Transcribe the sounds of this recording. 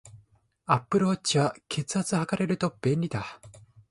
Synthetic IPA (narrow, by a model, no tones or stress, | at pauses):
apːɯ̟ɾɯhot͡ɕiβakʰe̞t͡sɨ̥hat͡sɨhakaɾe̞ɾɯ̟t̪o̞b̥ẽ̞nʲɾʲid̪a